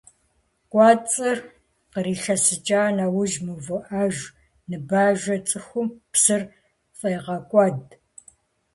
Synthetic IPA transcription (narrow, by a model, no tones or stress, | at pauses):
kʷʼɑːt͡sʼɨr | qəɾiːɬɐsɨt͡ʃʼaːnawʊʒmɨvɨʔaːʒ | nɨbaːʒɐt͡sʼɨxʷʊmpsɨr | fʼɐjʁɐkʷʼɑːd